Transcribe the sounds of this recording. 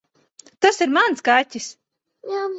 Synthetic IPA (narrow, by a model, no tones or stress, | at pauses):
t̪asiɾmanskatʲːis